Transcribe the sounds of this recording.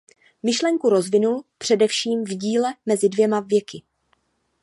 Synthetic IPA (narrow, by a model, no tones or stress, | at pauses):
mɪʃlɛŋkuɾo̞zvɪnulpr̝̥ɛdɛfʃiːmvɟiːlɛmɛzɪdvjɛmavjɛkɪ